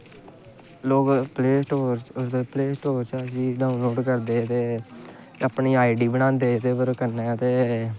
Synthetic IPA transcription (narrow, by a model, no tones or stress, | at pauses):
loːkpleːsʈoːɾʊsd̪eːpleːsʈoːɾt͡ʃasiːɖaːʊnloːɖkəɾd̪eːt̪eː | apniːaːiɖiːbənãːnd̪eːt̪eːpəɾkəɾneːt̪eː